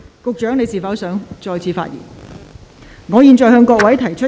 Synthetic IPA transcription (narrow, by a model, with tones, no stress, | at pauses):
kʊ˨k̚t͡ʃœː˨˥ŋne˨˧jsiː˨˩fɐ˨˥wsœː˨˥ŋt͡ʃɔː˨jt͡sʰiː˧fa̰ː˧t̚jḭː˨˩n | ŋɔː˨˧jiː˨˧nt͡ʃɔː˨˩jhœː˧ŋkɔː˧k̚wɐ˨˥jt̪ʰɐ˨˩jt͡ʃʰɵ˥